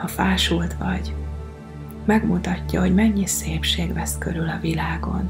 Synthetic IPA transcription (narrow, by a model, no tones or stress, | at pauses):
hɒfaːʃult̪ʋɒɟ | mɛɡmut̪ɒcːɒɦo̞ɟmɛɲːiseːpʃeːɡvɛskøɾylɒvilaːɡo̞̰n